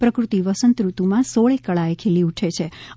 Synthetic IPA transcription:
pɾəkɾut̪iʋəsənt̪ɾut̪umãsoɭekːəɭaekʰeliuʈʰet͡ʃʰe

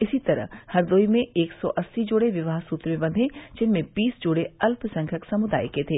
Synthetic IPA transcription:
ɪsit̪ɐɾə̰ɦhɐɾd̪oːimẽeːksɔʔɐsːid͡ʒoːɽeʋɪʋaːɦsuːt̪ɾmẽbɐ̃nd̪ʱẽd͡ʒɪnmẽbiːsd͡ʒoːɽeɐlpsɐ̃ŋkʰəksɐmʊd̪a̰ːjket̪ʰeː

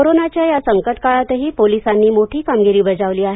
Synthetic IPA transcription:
oɾonat͡ɕjajasəŋkəʈkaɭat̪əɦiːpolisanːiːmoʈʰiːkamɡiɾiːbəd͡zaʋliːaɦe

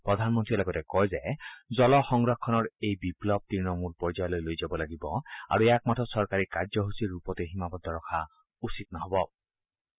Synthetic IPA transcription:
pɹɔd̪ʱanmɔnt̪ɹilaɡɔtɛkɔjzɛzɔlɔxɔŋɡɹɔkʰːɔnɔɹejbiplɔb̚t̪ɹinɔmulpɔɹzajɔlojlojzabɔlaɡibɔa̰ɹueakmatʰɔsɔɹkaɹikaɹd͡ʒɔɦusiɹupɔteɦimabɔd̪ʱɔɹɔkʰa | usit̪̚naɦɔbɔ

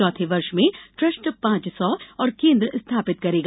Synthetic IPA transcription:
ɔːt̪ʰeʋɐɾʃmẽʈɾɐsʈpãːt͡ʃsɔɔːɾkẽːnd̪ɾəɪst̪ʰaːpɪt̪̚kɐɾeːɡa

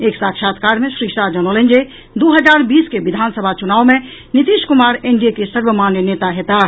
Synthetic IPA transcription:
eːksakʃat̪kaɾmẽsɾisad͡ʒənolẽnd͡ʒe | d̪oɦəd͡ʒaɾbiːskeʋid̪ʱansəbʱat͡ʃunaːwmẽ | nit̪iʃkumaɾeɳɖijekesəɾʋəmanjənet̪aɦet̪a

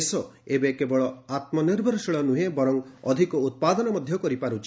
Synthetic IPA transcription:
sɔebekebɔɭɔat̪mɔniɾbʱɔɾsiɭɔnuɦebɔɾɔŋɔd̪ʱikɔut̪̚pad̪ɔnɔmɔd̪ʱjɔkɔɾipaɾut͡ʃʰi̥

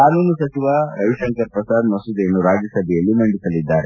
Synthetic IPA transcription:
kaːnuːnusɐt͡ʃiʋaɾɐʋiʃɐŋkɐɾpɾɐsaːd̪mɐsud̪eːnːuɾaːd͡ʒjɐsɐbʱɛjɐlːimɐɳɖisɐlid̪ːaːɾe

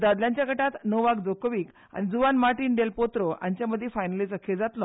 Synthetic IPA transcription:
d̪ad̪ljaɲt͡ɕjaɡəʈat̪nəʋaɡd͡zokʋiːk | a̰ñid͡zuʋanmaɾʈiːnɖelpot̪ɾɔa̰ɲt͡ɕjaməd̪ʱːjefajnəlit͡səkʰed͡zat̪lɔ

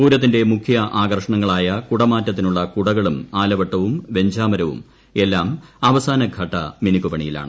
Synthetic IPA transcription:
puːɾɐt̪̬ːinde̞mukʰjɐʔaːɡɐrʂɐɳɐŋːɐɭaːjɐkuɽɐmaːtːɐt̪̬ːinuɭːɐkuɽɐɣɐɭumaːlɐʋɐʈːɐʋumʋe̞ɲd͡ʑaːmɐɾɐʋṵm | e̞lːaːmɐʋɐsaːnɐɡʱɐʈːɐminikːupɐɳijila̰ːɳɨ

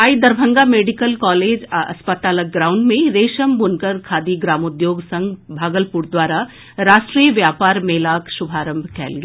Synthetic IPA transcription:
aːid̪ɐɾbʱə̃ŋɡameːɖɪkəlkɔːleːd͡ʒɐ̰spət̪aːlək̚ɡɾãːʊ̃ɳɖmẽɾeːʃəmbʊnkəɾkʰaːd̪iɡɾaːmʊd̪joːɡsɐ̃ŋɡbʱaːɡəlpuɾd̪waːɾa | ɾaːʃʈɾiːəʋjaːpaːɾmeːlaːkʃʊbʱaːɾə̃mbʱkʰɛ̰ːlɡe

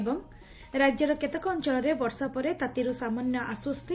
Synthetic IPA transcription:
ebɔŋ | ɾad͡ʒjɔɾɔket̪ɔkɔːnt͡ʃɔlɔɾebɔɾsapɔɾet̪at̪iɾusamanjɔʔaswɔst̪ʰi

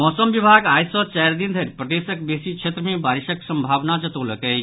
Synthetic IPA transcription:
mɔːsəmbibʱaɡajsɔt͡ʃajɾd̪ind̪ʱəɾpɾəd̪esək̚besit͡ʃʰet̪ɾəmebaɾisəksəmbʱaʋnad͡ʒət̪oləkə

